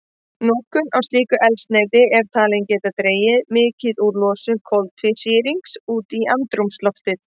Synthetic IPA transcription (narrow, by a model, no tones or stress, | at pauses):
nɔːhkʏnawst̪iːkʏʔɛlst̪neːjt̪ɪɛɾ̥t̪ʰaːlɛncɛːt̪at̪ɾeːjɪðmɪːcɪðuɾlɔːsʏkʰɔwlt̪ʰvɪsiːɾiŋksuːt̪iʔant̪ɾumslɔft̪ɪð̥